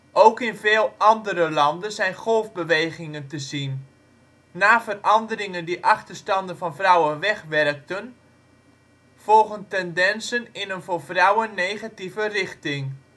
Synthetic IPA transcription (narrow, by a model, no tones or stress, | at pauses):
owkɪnveːlˠɑndəɾəlɑndənzɛjnχɔlˠvbəʋejχɪŋəntəzinː | aːfərʔɑndərɪŋəndiʔɑχtərstɑndənvɑnvrɔwənʋɛχʋɛrk̚tən | fɔlˠɣəntɛndɛnsənɪnənvofrʌwənːejχativərɪxtɪŋ